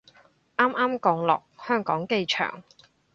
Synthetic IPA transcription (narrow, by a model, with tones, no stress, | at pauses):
ʔaː˥mʔaː˥mkɔː˧ŋlɔ̰ː˨k̚hœː˥ŋkɔː˨˥ŋke˧jt͡ʃʰœ̰ː˨˩ŋ